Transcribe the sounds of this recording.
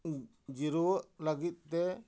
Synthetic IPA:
d͡ʒiɾuwəʔləɡit̪̚t̪ɛ

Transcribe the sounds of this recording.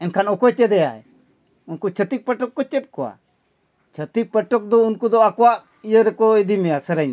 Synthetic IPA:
ɛnkʰanɔkɔt͡ʃɛd̪ɛjaɛ | unkut͡ʃʰət̪ik̚pəʈɔkːɔt͡ʃɛt̪̚kɔwa̰ | t͡ʃʰət̪ik̚pəʈɔk̚d̪ɔunkud̪ɔakɔwaʔ | ijəɾɛkɔid̪imɛjasəɾəɲ

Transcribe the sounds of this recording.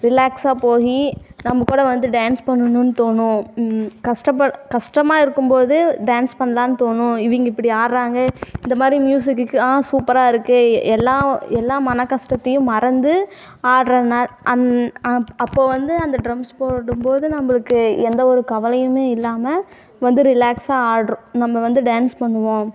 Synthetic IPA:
ɾɪlaːksaːpoːɣinɐmːɐkuːɽɐʋɐnd̪ɯɖaːnspɐɳːɯnːʊnːɯt̪oːɳːʊ̃kɐʂʈɐpːɐkɐʂʈɐmaːɪɾɯkːɯmpoːðɯɖaːnspɐɳːɐlaːnɯt̪oːɳʊ̃ɪʋiŋɡɐɪpːɐɽiaːɾɾaːŋɡɐɪnd̪ɐmaːd̪ɾimjuːsɪkːɯkːɯaːsuːpɐɾaːɪɾɯkːɯɛlːãːɛlːãːmɐnɐkːɐʂʈɐt̪ːɐjʊ̃mɐɾɐnd̪ɯ | aːɐɾɐnaːɐn | ɐpːoːʋɐnd̪ɯɐnd̪ɐɖɾɐmspoːɽɯmpoːðɯnɐmːɐɭɯkːɯɛnd̪ɐɔɾɯkɐʋɐlɐjɯmeːɪlːaːmɐ | ʋɐnd̪ɯɾɪlaːksaːaːɽɐɾʊ̃nɐmːɐʋɐnd̪ɯɖaːnspɐɳːɯʋõː

